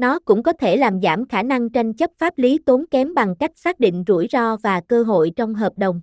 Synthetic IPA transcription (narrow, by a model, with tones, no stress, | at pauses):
nɔ˨˦kʊ̰˧˥ŋ͡mkɔ˨˦t̪ʰe˧˩laː˨˩mza̰ː˧˩mxaː˧˩na˧ŋt͡ɕa˧jnt͡ɕə˦˥p̚faː˦˥p̚li˨˦t̪o˨˦nkɛ˨˦mɓa˨˩ŋka˦˥jk̚saː˦˥k̚ɗḭ̈˧˨ŋ̟zṵ˧˩jzɔ˧vaː˨˩kəː˧ɦo̰˧˨jt͡ɕɔ˧wŋ͡mɦəː˨˩p̚ɗə˨˩wŋ͡m